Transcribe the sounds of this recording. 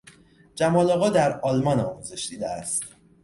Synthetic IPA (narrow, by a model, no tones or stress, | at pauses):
d͡ʒæmɒːlɒːɣɒːd̪æɾɒːlmɒːnɒ̰ːmuːze̞ʃd̪iːd̪eæst̪